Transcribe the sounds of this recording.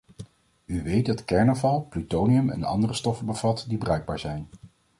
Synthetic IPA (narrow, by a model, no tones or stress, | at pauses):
yʋejt̚dɑtkɛɹnɔvɑlˠplytowniɵmɛ̰nɑ̰ndərəstɔfəbəv̥ɑtdibərœɥɡ̚ba̰ːɹzɛjn